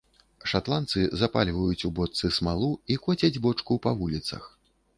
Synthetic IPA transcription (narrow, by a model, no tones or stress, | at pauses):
ʂat̪lˠant̪sɨzapalʲvɐjut͡sʲubɔt̪sɨsmalˠuikɔt͡sʲɐd͡zʲbɔt͡ʂkupɐvulʲit̪sɐ̰x